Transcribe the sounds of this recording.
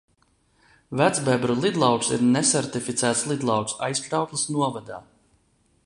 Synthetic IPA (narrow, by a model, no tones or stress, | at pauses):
væd̪zbɛbɾulˠid̪lˠɑwksḭɾnɛsɛɾt̪ifit̪sæːt̪slˠid̪lˠɑwksa̰jskɾawklˠisnuɔvad̪a̰ː